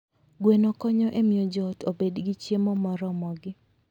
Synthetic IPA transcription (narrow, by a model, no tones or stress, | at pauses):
ɡwenɔkɔɲɔʔemiod͡ʒɔtobedɡɪt͡ʃjemɔmɔɾɔmɔɡɪ